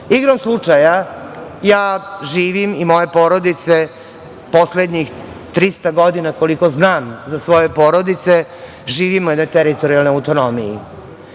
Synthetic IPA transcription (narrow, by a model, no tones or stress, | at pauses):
iɡɾamslˠut͡ʂajajaːʒiːʋimimojepo̞ːɾo̞d̪it̪se̞ | po̞sled̪ɲix | t̪ɾist̪aɡo̞d̪inako̞liko̞znaːmzasʋo̞je̞po̞ːɾo̞d̪it̪se̞ | ʒiːʋimujɛd̪no̞jt̪eɾit̪oɾialnoawt̪o̞no̞mijḭ